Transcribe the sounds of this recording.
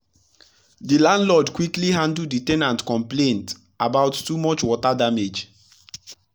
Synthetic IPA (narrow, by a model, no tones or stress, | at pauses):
dilãndlɔdkwikliɦãndl̩ditɛnãntkɔ̃mplẽnt | ʔabaʊtːumɔt͡ʃwɔtadamed͡ʒ